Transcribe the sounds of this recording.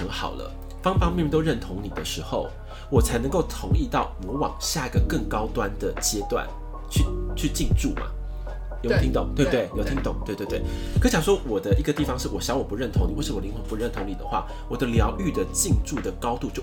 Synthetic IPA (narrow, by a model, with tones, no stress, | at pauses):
ə˧˥ŋxɑ̰˨˩ʊlə̰˦ | fɑ˥ŋpɑ˥ŋmʲ˥˩˧ɛ˥˧˩t̪o˥˧ɻə˥˩nt̪ʰʊ˧˥ŋni˨˩d̪ə˦ʂɻ̩˧˥xo˨˩ʊ | wɔ˨˩t͡sʰa˧˥ɪnɤ˧˥ŋko˥˩ʊt̪ʰʊ˧˥ŋi˥˧t̪ɑ˥˩ʊmɔ˧˥wɑ̰˨˩ŋɕja˥˩i˧˦ɡə˨kɤ˥˩ŋkɑ˥ʊt̪wa˦nd̪ə˨t͡ɕjɛ˥t̪wa̰˥˩n | t͡ɕʰy˥˧t͡ɕʰy˥˧t͡ɕi˥˧ŋʈ͡ʂu˥˩mɐ̰˩ | jo˨˥t̪ʰi˦˥nt̪o̰˨˩˦ŋt̪we˥˧t̪e˥˩ɪjo˧˥ʊt̪ʰi˥ŋt̪ʊ˨˩ŋt̪we˥˧t̪wt̪we˥˩ɪkʰə˧˥ɕjɑ˨˩ŋʂwɔ˥wɔ˨˩d̪ə˦ʔi˧˥ɡə˧t̪i˥˩fɑ˧ŋʂɻ̩˥˩wɔ˨˩ɕjɑ˧˥˦ŋwɔ˨˩pu˧˦ɻə˥˩nt̪ʰʊ˧˥ŋni˨wʂɻ̩˥˩wɔ˨˩li˧˥ŋxwɤ˨˩ŋpu˧˥ɻə˥˩nt̪ʰʊ˧˥ŋni˨d̪ə˦xwa̰˥˩ | wɔ˨˩d̪ə˦ljɑ˧˥ʊʔy˥˩d̪ə˩t͡ɕi˥˧ŋʈ͡ʂu˥˩d̪ə˩kɑ˥ʊt̪u˥˧t͡ɕjo˥˩